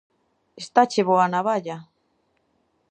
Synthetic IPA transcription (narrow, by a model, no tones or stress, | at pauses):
est̪at͡ʃeβoanaβaʎa